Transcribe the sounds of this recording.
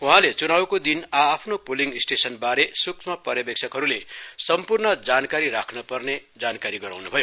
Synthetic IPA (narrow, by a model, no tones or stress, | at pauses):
ũɦãlet͡sunawkod̪inaːpʰnopoliŋisʈesʌnbaɾesuksmʌpʌrjʌbek̚sʰʌkɦʌɾulesʌmpurnʌd͡zankaɾiɾakʰnʌpʌrned͡zankaɾiɡʌɾa̰wnubʱʌjo